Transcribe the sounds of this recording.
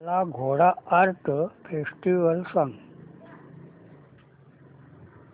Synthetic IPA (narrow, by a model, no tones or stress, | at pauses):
laɡʱoɽaaɾt̪ʰpʰesʈiʋəlsəŋɡ